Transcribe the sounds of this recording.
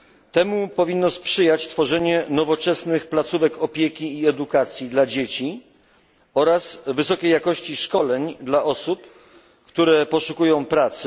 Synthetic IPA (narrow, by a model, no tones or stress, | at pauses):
t̪ɛmupɔvʲinːɔspʂɘjat͡ɕt̪fɔʐɛɲɛnɔvɔt͡ʂɛsnɘxplat̪suvɛkɔpʲjekʲiːɛd̪ukat̪sʲjid̪lad͡ʑet͡ɕi | ɔɾasvɘsɔkʲejakɔɕt͡ɕiʂkɔlɛɲd̪laʔɔsup | kt̪uɾɛpɔʂukujɔ̃w̃pɾat̪s